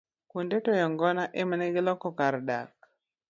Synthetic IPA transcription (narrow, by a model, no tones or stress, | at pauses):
kundetɔjɔŋɡɔnaʔemneɡɪlɔkɔkaɾda̰k̚